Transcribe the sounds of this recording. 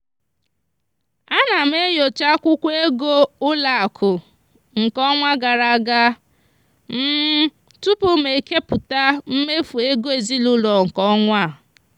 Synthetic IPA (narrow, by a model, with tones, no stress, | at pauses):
a˦na˨m̩˦e˦jo˨t͡ʃa˦kʷʊ˦kʷe˦ɡo˦ʊ˦la˨a˨kʰʊ˨ | ŋ̩˨kɔ˦ŋʷa˦ɡa˨ɾa˨˦˨ɡa˦ | m̩˦ | tʊ˦pʊ˦me˨i˨ke˦pʊ˨ta˦m̩˦me˦fu˨e˦ɡo˦e˨zi˦lʊ˦lɔ˨ŋ̩˨kɔ˦ŋʷa˦˨